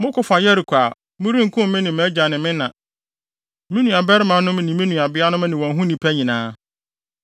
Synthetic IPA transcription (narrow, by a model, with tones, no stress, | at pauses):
mʊ̃˦kʰʊ˨fã˨jɛ˦ɾi˨kʷʰaː˨ | mʊ̃˦ɾĩ˦ŋ̩˨kʰʊ̃˦m˦mɪ̃˦nɪ̃˨mɛ̃˦d͡ʑa˨nɪ̃˨mɪ̃˦nã˨ | mĩ˦nũ˨a˨bɛ˦ɾɪ˦mã˨˦nʊ̃˦m˦nɪ̃˨mĩ˦nũ˨a˨bɪ˦a˦nʊ̃˦m˦nɪ̃˨wɔ̃˨nɦũ˦nĩ˨pʰæ˦ɲĩ˨nãː˦